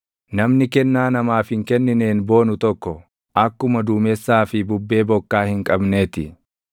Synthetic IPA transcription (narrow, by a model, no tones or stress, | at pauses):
nɐmnɪkɛnːaːnɐmaːfhɪŋkɛnːɪneːnbo̞ːnʊt̪ɔkːɔ | ʔɐkːʊmɐd̪uːmɛsːaːfɪbʊbːe̞ːbɔkːaːhɪŋkʼɐbne̞ːt̪ɪ